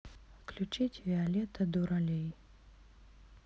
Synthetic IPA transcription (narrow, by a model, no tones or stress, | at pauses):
fklʲut͡ʃitʲvʲɪalʲɛt̪ɐd̪uɾɐlʲej